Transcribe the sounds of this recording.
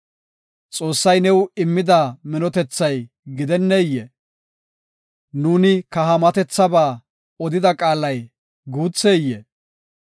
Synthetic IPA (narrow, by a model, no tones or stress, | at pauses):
t͡sʼo̞ːsːɐjnɛwɪmːɪd̪aːmɪnɔt̪ɛt͡sːɐj | ɡɪd̪ɛnːejːɛ | nuːnɪkɐɦɐmɐt̪ɛt͡sːɐbaː | ɔd̪ɪd̪ɐkʼaːlːɐj | ɡuːt͡sːeːjːɛ